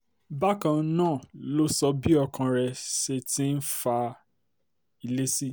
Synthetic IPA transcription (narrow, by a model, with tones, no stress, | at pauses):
ba˦kã˧nãː˦˨lo˦sɔ˧bi˦ɔ˧kã˧ɾɛ˧ʃe˧tĩ˦n̩˦fa˧ | i˧le˦si˦